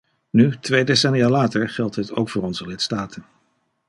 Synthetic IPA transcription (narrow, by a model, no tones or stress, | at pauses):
nytʋejdesɛnijaːlaːtəɹχɛlˠtɦəto̰wkfʊːɹɔnzəlɪtstaːtʰən